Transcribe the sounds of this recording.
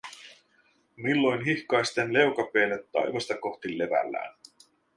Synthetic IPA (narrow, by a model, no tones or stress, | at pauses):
milːo̞jnɦihkɑjst̪enle̞wkɑpeːnet̪ːɑ̰jʋɑst̪ɑko̞xt̪ilːe̞ʋæ̰lːæ̰ːn